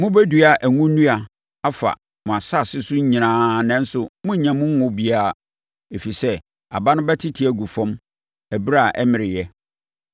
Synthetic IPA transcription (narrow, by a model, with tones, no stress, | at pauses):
mʊ̃˦bæ˦du˨a˨ʔæ˨ŋũ˦nũ˦a˨ | a˦fa̰˨ | mʊ̃˨a˨sa˦˨sɪ˦sʊ˦ɲ˦ɲĩ˨nãː˦nɛ̃˦n̩˦sʊ˨mʊ̃˦ɲ̩˨ɲã˨mʊ̃˦ʊ̃˦bi˦a˦˨ | e˨fi˨sɛ˦ | a̰˨ba˦nʊ̃˦bɛ˦tʰɪ˦tʰi˨æ˦ɡu˨fɔ̃˦m | æ˨bɾa˦˨ʔɛ̰˦mɪ̃˨ɾɪ˨jɛ˦